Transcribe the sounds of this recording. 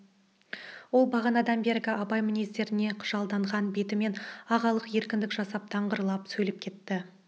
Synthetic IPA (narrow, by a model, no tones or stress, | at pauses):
wo̞lˠbɑʁɑnɑd̪ɑnbe̞ɾɡʲɪɑbɑjmɪnist̪e̞ɾɪne̞qʰʊ̥ʒ̥ɑlˠd̪ɑɴʁɑnbe̞t̪ɪme̞nɑʁɑlˠəqje̞ɾkʲɪnd̪ɪkʒɑsɑp̚t̪ʰɑɴʁəɾlˠɑpsɵjlɪp̚kʲʰe̞t̪ːɪ